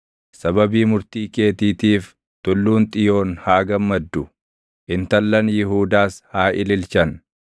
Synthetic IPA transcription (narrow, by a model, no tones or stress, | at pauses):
sɐbɐbiːmʊɾt̪iːke̞ːt̪iːt̪iːf | t̪ʊlːuːnt̪ʼɪjo̞ːnhaːɡɐmːɐd̪ːʊ | ʔɪnt̪ɐlːɐnjɪɦuːd̪aːshaːʔɪlɪlt͡ʃɐn